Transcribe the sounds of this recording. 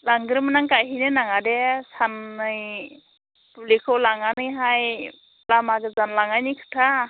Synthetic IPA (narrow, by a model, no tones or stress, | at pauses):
laŋɡɯɾɯmɯnaŋkajɦinɯnaŋadɛsanːɯj | publikʰɔwlaŋanɯjɦaj | plamaɡɯzanlaŋajnijkʰɯ̥tʰa